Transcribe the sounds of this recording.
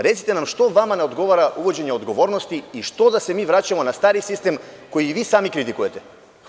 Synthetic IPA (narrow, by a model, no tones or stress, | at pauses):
ɾɛt̪si̥t̪ɛnamʃt̪ɔvamanɛod̪ɡɔvaɾaʔuvɔd͡ʒɛɲɛɔd̪ɡɔvɔɾnɔst̪iːʃt̪ɔd̪asɛmivɾacamɔnast̪aɾisist̪ɛmkojːvisamikɾit̪ikuɛt̪ɛ